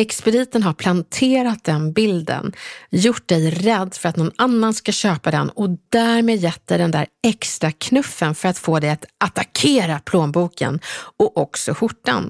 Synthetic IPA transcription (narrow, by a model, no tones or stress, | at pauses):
ɛkspɛd̪iːt̪ənɦaɾpʰlant̪ʰeːɾat̪̚d̪ɛnbɪld̪ə̰njʊʈ̚ːd̪ɛjɾɛd̪ːfœɾat̪nɔnanːanskaɕøːpad̪ɛ̰nɔd̪æːɾmeːd̪jɛt̪̚d̪ɛjd̪ɛnd̪æ̰ɾɛkst̪ɾakʰnɵfːənfœɾat̪foːd̪ɛjat̪at̪akʰeːɾapʰloːnbuːkə̰nɔʔɔksɔɧʊʈːa̰n